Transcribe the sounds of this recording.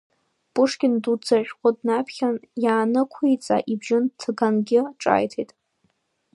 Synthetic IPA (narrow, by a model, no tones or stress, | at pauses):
pʼʊʂkʲʼɪndud͡zaʒʲᶣqʷʼʊdnapʰχʲanjaːnɨkʷʰijt͡sʼa̰ʔibʒɪntʰɡanɡʲɪʈ͡ʂʼa̰ːjtʰejtʼ